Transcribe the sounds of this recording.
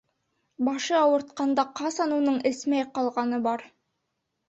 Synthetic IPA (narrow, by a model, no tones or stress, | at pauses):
bɑʃɤɑwɤ̆ɾt̪̚qɑnd̪ɑqɑsɑnunɤɴɘ̆smæjqɑlˠʁɑnɤbɑɾ